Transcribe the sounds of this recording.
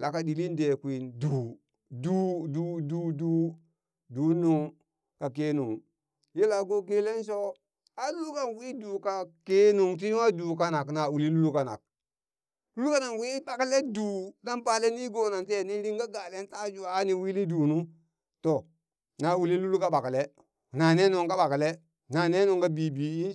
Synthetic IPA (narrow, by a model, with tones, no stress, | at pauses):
lʔa˨ka˨di˨li˦nde˨kʷi˨nduː˨ | du˦du˨duː˨duː˨˦ | du˨˦nu˦ŋ | ka˨ke˦nṵ˨ŋ | je˦la˨ɡo˦k̬e˦le˦nso˦ | a˦lu˦lu˦ka˦nwi˦duː˨ka˨ke˦nu˨ŋt̬i˦wa˦duː˨ka˦na˨kna˨u˨li˦lu˦lu˦ka˨na̰˨k̚ | lu˦lu˦ka˦na˨ŋwi˦ba˨kle˦duː˨na˦mpa˨le˦ni˦ɡo˨na˨nte˦˨ni˦ɾi˦ŋɡa˦ɡa˨le˦n˦ta˦d͡ʒuː˦˨˦ni˨wi˦li˦duː˨nu˦ | to˨ | na˨u˨li˦lu˦lu˦ka˦ɓa˨kle˦ | na˨ne˦nu˨ŋka˦ɓa˨kle˦ | na˨ne˦nu˨ŋka˦biː˨bi˨i˦